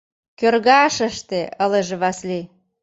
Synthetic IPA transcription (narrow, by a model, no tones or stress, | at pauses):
kørɣɑʃə̆ʃt̪eəleʒeβɑsli